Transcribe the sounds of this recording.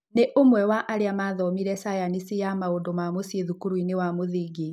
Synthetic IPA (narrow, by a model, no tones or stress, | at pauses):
neʔomwɛwaʔaɾeamaðɔmiɾɛsajanisijamaondomamosieðukuɾwinewamoðiːɡi